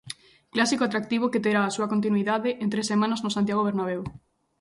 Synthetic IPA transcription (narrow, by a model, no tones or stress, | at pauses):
klasikoat̪ɾak̚t̪iβʊket̪eɾaːsuɐkont̪̬inwiðaðeʔent̪ɾesːemãnaznʊsant̪jaɣ̞oβ̞eɾnaβew